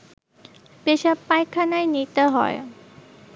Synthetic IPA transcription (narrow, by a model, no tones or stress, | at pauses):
peɕapajkʰːanajnit̪əɦɔ̰j